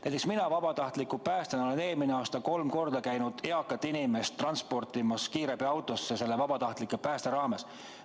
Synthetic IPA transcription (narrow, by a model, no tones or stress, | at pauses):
næjt̪eksminɑvɑb̥ɑt̪ɑht̪likːˑupæːst̪enole̞ne̞ːlmineɑːst̪ɑko̞lmko̞rd̪̥ɑkæjnud̪̥eɑkːˑɑt̪ːˑinime̞st̪ːˑrɑnspo̞rt̪imɑskiːɾebiɑwt̪ːˑo̞sːese̞lːe̞vɑb̥ɑt̪ɑht̪likːˑepæːst̪e̞ɾɑːme̞s